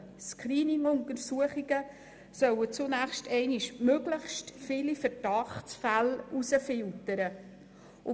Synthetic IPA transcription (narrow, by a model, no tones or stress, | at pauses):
skɾiːnɪŋʊntəɾsuəχiɡə | sœwət͡sʊnæχʃtɛɪniʃmøɡləχʃtfɪlifəɾd̥ɑχt͡sfælusəfɪltəɾə | ʔʊ